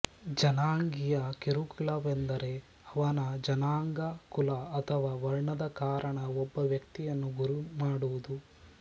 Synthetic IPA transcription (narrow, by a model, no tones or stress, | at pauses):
d͡ʒɐnaːŋɡijɐkeɾukulɐʋend̪ɐɾe | ɐʋɐnɐd͡ʒɐnaːŋɡɐkulɐːt̪ʰɐʋaːʋɐɾɳɐd̪ɐkaːɾʔɐɳɐɔbːɐʋjɐkt̪ijɐnːuɡuɾumaːɽuʋud̪u